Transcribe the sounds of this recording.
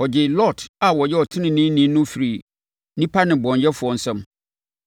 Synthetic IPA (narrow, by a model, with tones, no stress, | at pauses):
ɔ˨d͡ʑɪ˨lɔ˦˨da˨wɔ˨jɛ˦ɔ˨tʰɪ˦nɪ̃˨nĩ˦nĩ˦nʊ̃˦fi˨ɾi˨ | nĩ˦pʰa˦nɪ̃˨bɔ̃˨ɲjɛ˦fʊ˨ɔ˨n̩˨sɛ̃˦m